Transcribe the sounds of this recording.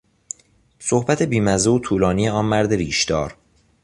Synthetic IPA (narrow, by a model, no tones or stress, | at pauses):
sohbæt̪ʰe̞biːmæzeot̪ʰuːlɒːnijeɒːnmæɾd̪eɾiːʃd̪ɒːɾ